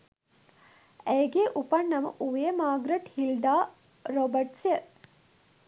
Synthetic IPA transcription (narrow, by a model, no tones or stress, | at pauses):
ejɡeːʔupɐɳːɐmɐ̰ʔuʋeɐmaːɡɾɐʈhild̪aː | ɾobɐʈsɐ